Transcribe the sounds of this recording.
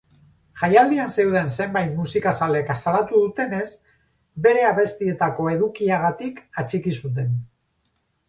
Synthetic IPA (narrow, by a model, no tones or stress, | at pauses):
ʝajald̪ianse̞wð̞e̞nse̞mbajt̪musikasale̞kasalat̪uðut̪e̞ne̞s | be̞ɾe̞aβe̞st̪ie̞t̪ako̞e̞ðukiaɣat̪ikat͡ʃikisut̪̬e̞n